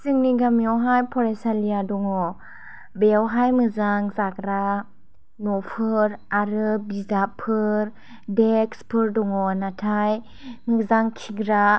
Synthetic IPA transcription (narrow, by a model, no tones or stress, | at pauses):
sɯŋniɡamiɔwɦajpʰɔɾesalijadɔŋɔ | bewɦajmɯzaŋzakɾa | nɔpʰɯɾaɾɯbizapʰɯɾ | dekspʰɯɾdɔŋɔnatʰaj | mɯzaŋkʰiɡɾa